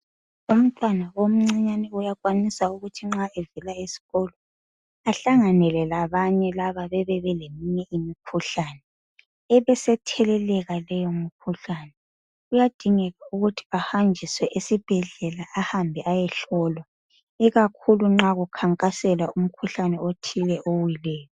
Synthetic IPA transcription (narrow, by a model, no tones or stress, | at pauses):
um̩tʼanaom̩ŋ͡ǀiɲanɛujaɣwanisauɣutʰiŋ͡ǁaevilaisi̥ɣɔlɔ | aɬaŋanɛlɛlaβaɲɛlaβaβɛβɛβɛlemiɲɛʔimikʰuɬanɛ | ɛβɛsɛtʰɛlɛlɛɣalɛjomikʰuɬanɛ | ujad̥ʱiŋɛɣauɣutʰi̥ahand͡ʒʱiswɛʔesib̥ʱɛɮɛlaʔːhambʱiʔajɛɬɔːlwa | iɣakʰuluŋ͡ǁaɣukʰaŋkʼasɛlaum̩kʰuɬanɛotʰilɛʔowilɛːjɔ